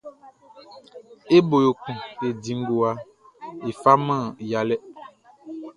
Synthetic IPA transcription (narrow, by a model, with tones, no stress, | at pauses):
e˦bo˨jo˨kũ˨e˨dĩ˨ŋ˦ɡo˨a˦ | e˨fa˦mã˦˨ja˨lɛ˦